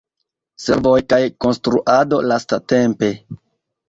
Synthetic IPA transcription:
se̞̰ɾvo̞jkajko̞nstɾuʔado̞lastate̞mpe̞

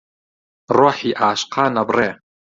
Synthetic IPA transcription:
roħiʔaːʃqʰanabreː

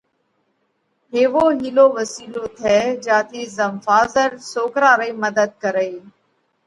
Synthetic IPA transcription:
ɦeːʋoːɦiːloːʋəsiːloːt̪ʰɛːd͡ʒaːt̪ʰiːzəmfaːzəɾsoːkɾaːɾəiːməd̪əd̪̚kəɾeː

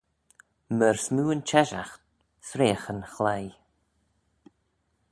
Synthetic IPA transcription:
məɹsmuːənt͡ʃɛʒa̰xt̪̚ | sɾeːxənxlaj

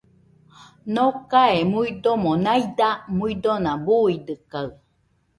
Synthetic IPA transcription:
nokaemuid̪omonajd̪amuid̪onãbuidɯkaɯ

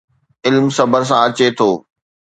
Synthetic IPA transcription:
ɪlmsɐbəɾs̬ãɐt͡ɕet̪ʰoː

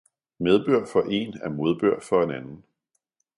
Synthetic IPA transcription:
með̞ˠb̥øɐ̰fɒ̽ʔe̝næɐmo̝ð̞ˠb̥øɐ̰fɒ̽e̝nænn̩

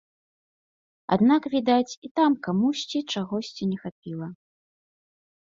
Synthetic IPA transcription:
a̰d̪nakvʲid̪at͡sʲit̪amkamuɕʲt͡sʲit͡ʂaɣɔsʲt͡sʲinʲɛxapʲilˠɐ

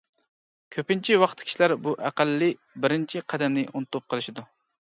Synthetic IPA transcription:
kʲʰøpɪnt͡ʃʰiwɑχt̪ʰkʲʰi̥ʃilæɾbuʔæqælːɪ | bɪɾɪnt͡ʃʰiqʰæd̪ɛmnɪʔunɨt̪up̚qʰəlˠɨʃid̪u

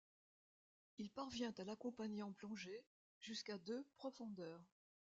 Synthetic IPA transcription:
ilpaʁvjɛ̃t̪alakɔ̃paɲeɑ̃plɔ̃ʒe | ʒyskad̪øpχɔfɔ̃d̪œːʁ

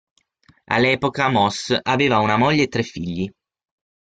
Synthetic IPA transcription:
a̰lːɛːpokamɔsaveːvaunamoʎːeet̪ːɾɛfːiʎːi

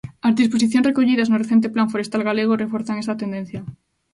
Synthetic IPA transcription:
azðispos̬iθjõnsrekoʎið̞aznoreθent̪̬eplaɱfoɾest̪alɣaleɣ̞orefoɾθaŋest̪at̪end̪ẽn̟θja

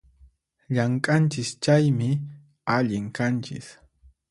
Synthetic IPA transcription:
ʎaŋkʼant͡ʃɪst͡ʃajmɪ | aʎɪŋkant͡ʃɪ̰s

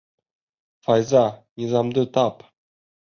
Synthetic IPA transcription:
fɑjzɑnizɑmd̪ət̪ʰɑp

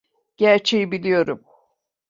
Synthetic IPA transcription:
ɟ̥æɾt͡ʃʰejibilʲijo̞ɾum

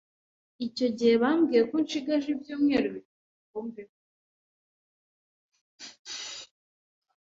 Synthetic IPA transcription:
ico̞ɟihe̞βamɡijekonʃiɡaʒibjuːmŋeːɾuβit | kuːmbe

